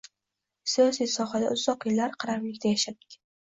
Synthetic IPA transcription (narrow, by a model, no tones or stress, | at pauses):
sijɒsijsɒɦad̪aʔʊzːɒqjɪlːaɾqʰɨɾamlɪkʲt̪ʰajaʃat̪̚ːɪ̥kʲ